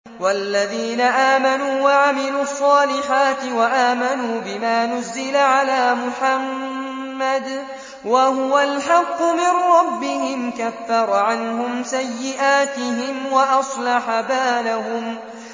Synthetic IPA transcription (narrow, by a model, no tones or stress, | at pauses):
walːaðiːnaʔaːmanuːwaʕamɪluːɑsˤːɑːlɪħaːt̪ɪwaʔaːmanuːbɪmaːnʊzːɪlaʕalaːmʊħamː | ad̪ | waɦʊwalħɑqːʊmɪnɾˤɑbːɪhɪmkafːɑɾˤɑʕanɦʊmsajːɪʔaːt̪ɪɦɪmwaʔɑsˤlɑħabaːlahʊm